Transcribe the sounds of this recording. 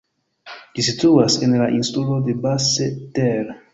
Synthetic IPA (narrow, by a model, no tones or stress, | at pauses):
d͡ʒisit̪uasenlaʔinst̪ulod̪ebaseteɾ